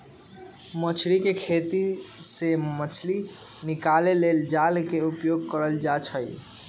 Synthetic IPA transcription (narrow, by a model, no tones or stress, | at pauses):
mət͡ʃʰɾikekʰet̪isemət͡ʃʰli | nikaleleld͡ʒalkeupjoɡ̚kəɾəld͡ʒat͡ʃʰəj